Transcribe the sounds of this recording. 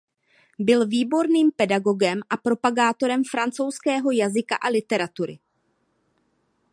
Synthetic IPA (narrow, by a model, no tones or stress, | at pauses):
bɪlviːbo̞ɾniːmpɛdaɡo̞ɡɛmʔapɾo̞paɡaːt̪o̞ɾɛmfɾant͡sowskɛːɦo̞jazɪka̰ʔalɪt̪ɛɾat̪uɾɪ̰